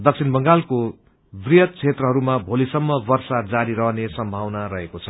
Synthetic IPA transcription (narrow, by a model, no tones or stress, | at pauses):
d̪ʌk̚sʰinbʌŋɡalko | brijʌt̪̚t͡sʰet̪rʌɦʌɾumabʱolisʌmːʌbʌrsad͡zaɾiɾʌɦnesʌmbʱawnarʌɦekot͡sʰʌ̥